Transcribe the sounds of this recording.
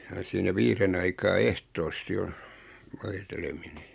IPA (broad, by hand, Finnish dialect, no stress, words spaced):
jɑ siːnæ ʋiːren ɑikɑː ehtoːsti on̞ ʋoitelemine